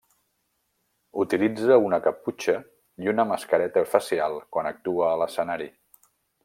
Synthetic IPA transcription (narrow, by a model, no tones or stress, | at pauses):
ut̪ilid͡zəunəkəput͡ʃə | iunəməskəɾɛt̪əufəsialˠkwanək̚t̪uəːləsənaɾi